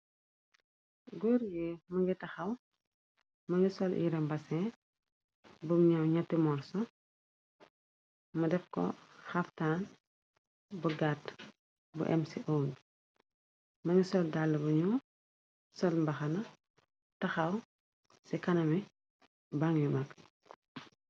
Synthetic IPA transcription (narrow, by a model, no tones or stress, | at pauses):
ɡɔɾjɛmɐŋɡitɐxɐw | mɐŋɡisɔlʔḭɾɛmbɐsɛ | bumɲɐwɲɐtːimɔrsɔ | mɐdɛfkɔ̰xɐftaːn | buɡat | bṵʔɛ̰msiʔɔːŋ | mɐɲusɔldalːɐbuɲu | sɔlmbɐxɐnɐ | tɐxɐw | sikɐnɐmi | baŋjimɐk